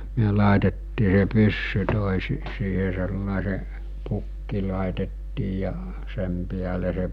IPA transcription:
myø lɑˑetetːiː se pysːy toˑesi siːhe selːɑˑese pukːi lɑˑetetːiː jɑ sem piæle se

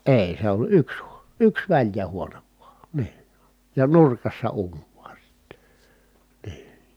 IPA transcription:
eˑi̯ se olʲ yks hu̥o̥ yks ʋælʲjæ huoneʋ ʋuɑˑ niː jɑ nurkɑsːɑ uːnʲ ʋ̥u̥ɑ̥ si̥tːe̥ niː

